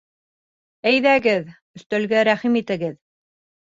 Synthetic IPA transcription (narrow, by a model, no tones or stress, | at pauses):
æjðæɡɘð | ɵ̆θt̪ælɡæɾæχimit̪ɘ̆ɡɘð